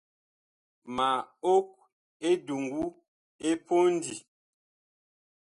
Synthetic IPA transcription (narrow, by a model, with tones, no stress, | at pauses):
ma˨o˦k̚ | e˦du˨ŋɡu˦ | e˦po˦n˦dii˨